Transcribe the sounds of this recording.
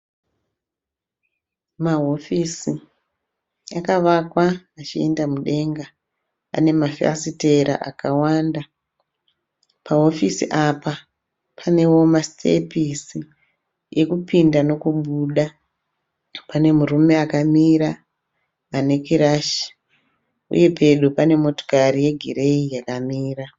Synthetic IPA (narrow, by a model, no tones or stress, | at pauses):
maɦo̞fisi | akaʋakwaːt͡ʃiendamuɗe̞ŋɡa | a̰ne̞mafḛsite̞ɾa̰ʔa̰kawaːnda | paɦo̞fisḭʔapa | pʰane̞wo̞mastʰḛpisi | je̞kupindano̞kuɓuːɗa | pane̞murume̞akamiɾaː | ne̞kiɾaʃi̥ | ṵje̞pʰe̞ɗupane̞mo̞to̥kaɾije̞ɡʱiɾe̞ijakamiːra